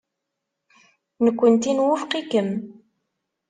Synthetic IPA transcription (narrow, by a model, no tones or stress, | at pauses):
nəkʷːənt̪inwufqikəm